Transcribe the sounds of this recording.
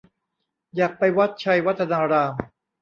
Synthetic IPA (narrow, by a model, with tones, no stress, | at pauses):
jaː˨˩k̚pa˧jwa˦˥t̪̚t͡ɕʰa˧jwa˦˥t̪ʰːa˧naː˧ɾaː˧m